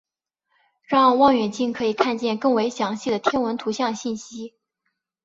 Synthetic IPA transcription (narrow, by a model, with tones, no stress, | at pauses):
ɻɑ˥˧wɑ˥˩ŋɥɛ˨˩nt͡ɕi˥˩nkʰɤ˧˥i˨˩kʰa˥˧nt͡ɕjɛ˥˧nkɤ˥˩ŋwe˧˥ɪɕjɑ˧˥ŋɕi˥˩d̪ə˩t̪ʰjɛ˥nwə˧˥nt̪ʰu˧˥ɕjɑ˥˧ŋɕi˥˩nɕi˥